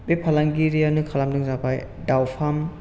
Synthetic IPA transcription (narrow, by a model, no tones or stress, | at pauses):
bepʰalaŋɡiɾijanɯkʰalamdɯŋzapʰaj | dawpʰam